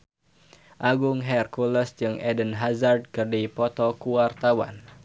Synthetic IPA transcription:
ʔaɡʊŋɦɛrkuləsd͡ʒɨŋʔɛdənɦazard̚kɨrdipɔt̪ɔkuwart̪awa̰n

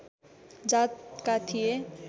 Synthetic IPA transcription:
d͡ʒatkat̪ʰije

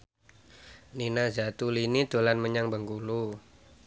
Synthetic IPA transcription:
ninazat̪ulinit̪olanməɲaŋbəŋkulu

